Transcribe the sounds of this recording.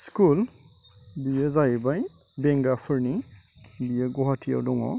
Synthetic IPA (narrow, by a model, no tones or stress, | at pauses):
skul | bijɛzaibaj | bɛŋɡapʰuɹni | bijɛɡɔɦatʰia̰wdɔŋɔ̰